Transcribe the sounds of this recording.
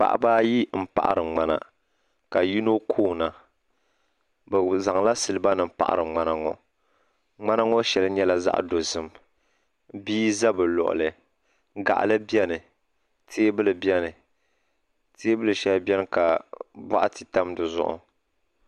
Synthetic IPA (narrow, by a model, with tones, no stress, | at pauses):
k͡pa̰˨ʔa̰˨baː˦ji˦m̩˨pa̰˨ʔa̰˨ɾɨ˨ŋ͡ma˨na̰˨ | ka˨ji˦no˦kʰoː˦na˨ | bɛ˨za˨ŋla˦sɨ˨lɨ˨ba˦nɨ˨˦pa̰˨ʔa̰˨ɾɨ˨ŋ͡ma˦na˨ŋɔ̰˨ | ŋ͡ma˦na˦ŋɔ˦ʃɛ˨lɨ˦ɲɛ˦la˦za̰˦ʔdo˨zɨ˦m | biː˦za˦bɨ˨lɔ̰˨ʔʊ̰˨lɨ˨ | ɡa̰˨ʔa̰˨lɨ˦bi˦ɛ˦nɨ˨ | tʰeː˦bɨ˦lɨ˨bjɛ˦nɨ˨ | teː˦bɨ˦lɨ˨ʃɛ˦lbɛ˦nɨ˦ka˨ba̰˦ʔa˦tɨ˨ta˦mdɨ˨zʊ̰˦ʔʊ̰˨